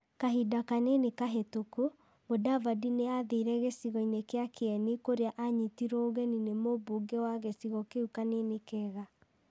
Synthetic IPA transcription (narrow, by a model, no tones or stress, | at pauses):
kaɦidakanenekaɦetoko | modavadineaðeɾɛɣesiɣɔinekeakʰeɛnikoɾeaʔaɲitiɾɔoɣɛninemoboːɡɛwaɣesiɣɔkeukanenekɛːɣa